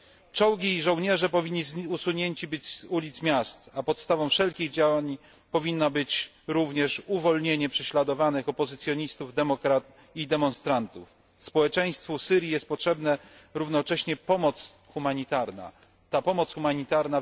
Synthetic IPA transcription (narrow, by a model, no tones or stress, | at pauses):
t͡ʂɔwɡʲiːʐɔwɲɛʐɛpɔvʲiɲːizusuɲeɲt͡ɕibɘd͡ʑzulʲit̪smʲjast̪apɔt̪st̪avɔ̃w̃fʂɛlkʲiɣd͡ʑawaɲ | pɔvʲinːabɘt͡ɕ | ɾuvɲɛʂuvɔlɲeɲɛpʂɛɕlad̪ɔvanɘxɔpɔzɘt̪sʲjɔɲist̪uvd̪ɛmɔkɾat̪ | id̪ɛmɔnst̪ɾant̪uf | spɔwɛt͡ʂɛj̃st̪fɔfsɘɾʲjijɛst̪̚pɔtʂɛbnɛɾuvnɔt͡ʂɛɕɲɛpɔmɔt̪s | xumaɲit̪aɾna̰ | t̪apɔmɔt̪sxumaɲit̪aɾna